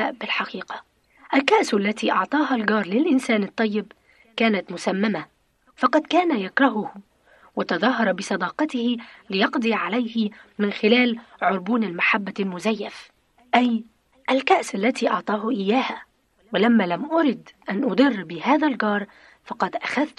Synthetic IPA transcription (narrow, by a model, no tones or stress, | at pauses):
bɪlħɑqiːqɑ̥ | ʔalkaʔsalːat̪iːʔɑʕt̪ˤɑːɦalɡɑːɾˤlɪlʔɪnsaːnɨt̪ˤːɑjːɪb | kaːnat̪mʊsamːama | fɑqɑd̪kaːnajakɾˤɑɦʊh | wɪt̪ɑðˤɑːɦɑɾˤɑbɪsˤɑd̪ɑːqɑt̪ɪhɪlɪjɑqd̪ˤiːʕalajhɪmɪnxɪlaːlʕʊɾˤbuːnalmaħabːalmʊzajːaf | ʔaj | ʔalkaʔsalːat̪iːʔɑʕt̪ˤɑːɦʔɪjːaːha | wɪlamːaːlamʔʊɾˤɪd̪ʔanʔʊd̪ˤɨrːbɪhaːðalɡɑːɾˤ | fɑqɑd̪ʔaxaðt̪